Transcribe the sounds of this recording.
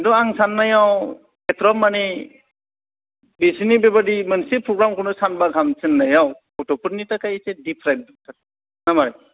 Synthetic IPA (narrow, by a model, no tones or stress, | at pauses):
dɔaŋsanːajaw | etɾɔmːani | bisinibebadimɯnsipʰɾɔɡɾamkʰɯnɯsanbaɡʰʱamsɯnːajaw | ɔtɔpɯɾnitakajsedipʰɾajb̚taɾ | namaɾaj